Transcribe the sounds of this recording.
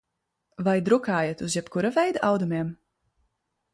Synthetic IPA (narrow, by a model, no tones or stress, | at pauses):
vajd̪ɾukaːjat̪uzjɛpkuɾavɛjd̪aʔawd̪umʲiɛm